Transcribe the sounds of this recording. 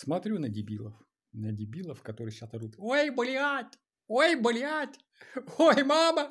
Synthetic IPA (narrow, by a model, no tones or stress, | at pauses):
smɐt̪ɾʲunədʲɪbʲilˠəf | nədʲɪbʲilˠəfkɐt̪oɾɨjɕasɐd̪ut̪ojbɨlʲɪatʲ | ojbɨlʲɪatʲ | ojmamə